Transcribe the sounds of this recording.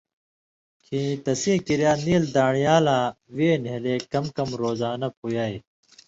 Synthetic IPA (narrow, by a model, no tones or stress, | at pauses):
kʰĩːt̪ɐsĩːkiɾjaːniːld̪aːɳijaːlaː | ʋeːnɦeleːkɐmkɐmɾoːzaːnɐp̚ujaːe